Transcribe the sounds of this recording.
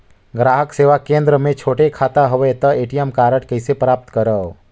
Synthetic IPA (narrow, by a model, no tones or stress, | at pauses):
ɡɾaɦəkseʋakẽnd̪ɾəmẽt͡ʃʰoːʈekʰat̪aɦəʋet̪əeʈijəmkaɾəʈkəɪsepɾaːp̚t̪kəɾəw